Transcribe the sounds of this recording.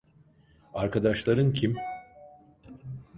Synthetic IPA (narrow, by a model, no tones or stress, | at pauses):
aɾkʰad̪aʃlˠaɾɯncʰim